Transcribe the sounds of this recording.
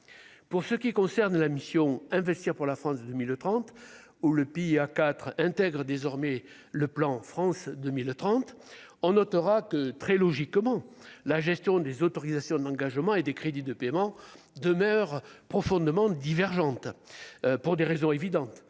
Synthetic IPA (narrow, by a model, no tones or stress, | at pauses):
puʁsəkʲikɔ̃sɛʁnlamisjɔ̃ɛ̃vɛst̪iʁpuʁlafχɑ̃sd̪əmilt̪χɑ̃t̪ | uləpeiakat̪χɛ̃t̪ɛɡʁəd̪ezɔʁme | ləplɑ̃fχɑ̃sd̪əmilt̪χɑ̃t̪ɔ̃nɔt̪əʁakət̪χɛlɔʒikmɑ̃laʒɛst̪jɔ̃d̪ezot̪ɔʁizasjɔ̃d̪ɑ̃ɡaʒmɑ̃ed̪ekχed̪id̪əpemɑ̃ | d̪əmœʁpχɔfɔ̃d̪emɑ̃d̪ivɛʁʒɑ̃t̪ | puʁd̪eʁezɔ̃evid̪ɑ̃t̪